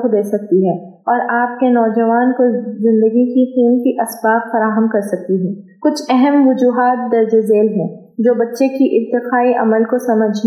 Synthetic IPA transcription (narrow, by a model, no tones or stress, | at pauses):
kd̪eːsɐk̚t̪iɦɛː | ɔːɾʔaːp̚kenɔːd͡ʒɐʋaːnkozɪ̃nd̪əɡikiqiːnkiʔɐsbaːqfɐɾaːɦəmkɐɾsɐk̚t̪iɦɛːkʊt͡ʃʰɛɦɛmʋʊd͡ʒuːɦaːt̪̚d̪ɐɾd͡ʒezeːlɦɛ̃ː | d͡ʒoːbɐtːʃekiʔɪɾt̪ɪqaːiʔɐ̰məlkosɐməd͡ʒʱ